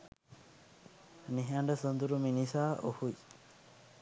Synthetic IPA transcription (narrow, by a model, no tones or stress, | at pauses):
niɦaɳɖəsənd̪uɾuminisaohuj